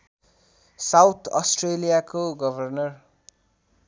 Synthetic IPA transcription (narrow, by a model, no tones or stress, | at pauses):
sawt̪ʰʌsʈrelijakoɡʌbʱʌrnʌr